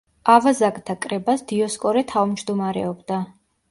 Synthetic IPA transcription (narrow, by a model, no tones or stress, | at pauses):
avazakʼd̪ʰakʼɾɛbasd̪̥iɔskʼɔɾɛt̪ʰavmd͡ʒd̪umaɾɛ̰ɔbd̪a